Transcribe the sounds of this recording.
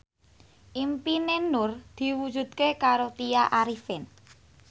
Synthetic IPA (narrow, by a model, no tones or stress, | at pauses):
ʔimpinenʊrd̪̥i̤wu̥d͡ʒṳt̪̚kekaɾot̪ijaʔaɾifɪn